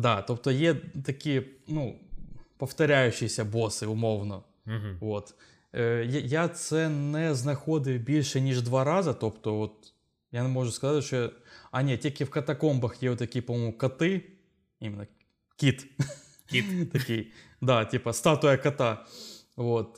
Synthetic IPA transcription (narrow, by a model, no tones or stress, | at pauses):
d̪at̪o̞pt̪ojet̪ɐkʲijənu | pəft̪ɐɾʲæjʉɕːɪjɪsʲəbo̞sɨʊmo̞vnə | vo̞t̪ | əjjat̪sɛnːɨjəznɐxo̞d̪ɨbʲilʲʂɨnʲiʐd̪vaɾazɐt̪o̞pt̪ovot̪̚ | janmo̞ʐʊskɐzatʲʂt̪oɐnʲettʲekʲifkɐt̪ɐko̞mbɐxjejʊt̪ːɐkʲijəpɐmomʊkɐt̪ɨ | imʲɪnːə | kʲit̪ | it̪ɐkʲij | d̪atʲipəst̪at̪ʊjəkɐt̪a | vo̞t̪̚